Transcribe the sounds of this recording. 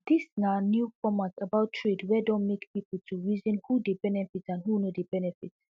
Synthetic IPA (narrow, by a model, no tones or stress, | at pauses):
disnanjufɔmatabaʊtʰɹedwɛdɔ̃nmekpipl̩tʰuɹizɔ̃nhudebɛnɛfitãnhunodebɛnɛfit